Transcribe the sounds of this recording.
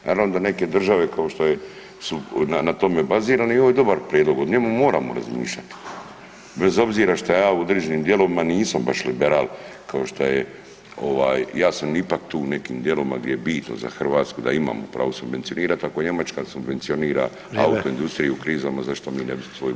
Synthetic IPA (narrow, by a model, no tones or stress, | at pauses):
nʔaːɾaʋnod̪ane̞ke̞d̪r̩ʒaʋe̞kao̞ʃt̪oje | sunanat̪o̞mebaziːɾaːnioʋojed̪obaɾpɾjeːd̪lˠoɡod̪ɲe̞mumo̞ːɾaːmo̰ɾa̰zmḭːʃʎʲat̪i̥ | bezo̞bziːɾaʃt̪ojaːuod̪ɾed͡ʑeniːmd̪jeloʋimaniːsambaʃlibeɾaːlkao̞ʃt̪oje | o̞ʋaːjjaːsamipakt̪uːne̞kiːmd̪jelo̞ʋima̰ɡd̪jejebiːt̪no̰za̰xr̩ʋaːt̪skud̪a̰ima̰ːmopɾa̰ːʋusubʋentsio̞niːɾat̪akoeɲe̞mat͡ʃkasubʋe̞nt̪sio̞niːɾa̰ | a̰ut̪oind̪ust̪ɾijiukɾiːzamazaʃt̪o̞miːnebismosʋoju